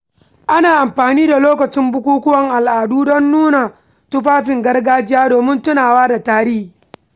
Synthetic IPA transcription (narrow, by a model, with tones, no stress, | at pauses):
ʔa˦naː˨ʔa˨mɸaː˨niː˦da˨loː˦kɐ˨t͡ʃɪ˦mbʊ˦kʷuː˦kʷʊ˦wɐ˨ŋʔa˨lʔaː˨duː˦dɔ˦nːuː˦na˨ | tʊ˦ɸaː˦ɸɪ˨ŋɡɐ˦rɡaː˦d͡ʒɪ˦jaː˦doː˨mɪ˦ntʊ˦naː˨waː˦da˨taː˨ɾɪ˦hi˨